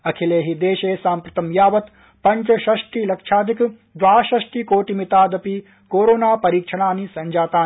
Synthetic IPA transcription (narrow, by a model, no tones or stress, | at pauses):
ɐkʰileːɦid̪eːʃeːsaːmpɾɐt̪ɐmjaːʋɐt̪ | pɐɲt͡ʃɐʃɐʃʈilɐkʂʰaːd̪ʱik | d̪ʋaːʃɐʂʈikoːʈimit̪aːd̪ɐpi | koːɾoːnaːpɐɾiːkʂʰɐɽ̃aːnisɐɲd͡ʒaːt̪aː